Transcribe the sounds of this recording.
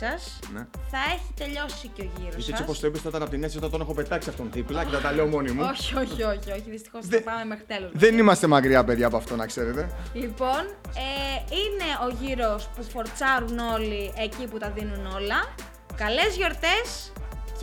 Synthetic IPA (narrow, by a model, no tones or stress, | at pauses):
ɐs | nθɐe̞çit̪e̞ʎo̞siceo̞ʝiɾosesiopost̪oipist̪ɐot̪ɐnɐpot̪inesiot̪ɐt̪one̞xope̞t̪ɐksiɐft̪onðiplɐcet̪ɐt̪ɐleomo̞nimuoçio̞çio̞çio̞çiðist̪i̥xospɐme̞me̞xɾit̪e̞lozðenimɐst̪e̞mɐkɾiɐpe̞ðʝɐːpoɐft̪o̞nɐkse̞ɾet̪e̞lipo̞n | eine̞o̞ʝiɾo̞spufoɾt͡sɐɾuno̞liʔe̞ciput̪ɐðinuno̞lɐ | kɐle̞zʝo̞ɾt̪e̞s | c